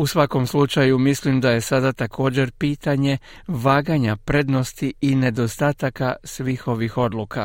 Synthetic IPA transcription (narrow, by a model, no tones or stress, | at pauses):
usʋako̞mslut͡ʃajumislimd̪aje̞sad̪at̪akʰo̞ːd͡ʑe̞ɾpiːt̪aɲe̞ | ʋaːɡaɲapɾe̞d̪no̞st̪iine̞d̪o̞st̪aːt̪akasʋiːxo̞ʋixo̞d̪lˠuka̰